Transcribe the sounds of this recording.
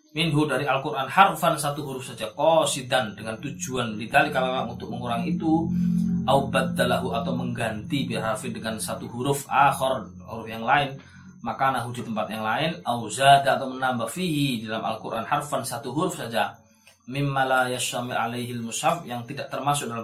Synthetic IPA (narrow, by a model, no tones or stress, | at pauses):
mɪnɦudaɾialkuɾʔanħarfansat̪uɦuɾʊfsad͡ʒakɔsid̪andəŋant̪ud͡ʒuanlit̪alikalaaŋunt̪ʊk̚məŋuɾaŋit̪uʔawbad̪ːalaɦuat̪awməŋɡant̪ibirarfɪndəŋansat̪uɦuɾʊfʔaxɔr | huɾʊfjaŋlaɪn | makanaɦudit̪əmpat̪̚jaŋlaɪnʔawzadaat̪awmənambafiɦididalamʔa̰lkuɾʔa̰nħarfansat̪uɦuɾʊfsad͡ʒa | mɪmːalajaʃt̪amɪla̰lajɦilmʊshafjaŋt̪idaʔt̪ərmasʊk̚dala